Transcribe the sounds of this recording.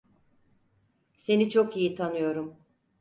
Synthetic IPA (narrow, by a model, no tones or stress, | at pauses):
se̞nit͡ʃʰokijit̪ʰanɯjo̞ɾum